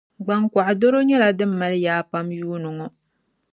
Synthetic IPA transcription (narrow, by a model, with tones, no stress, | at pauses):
ɡ͡ba˨ŋkʷa˨ʔdo˦ɾo˦ɲɛ˦la˨dɨ˦mː˦a˨lɨ˦jaː˦pa˦mjuː˦nɨ˨ŋɔ˨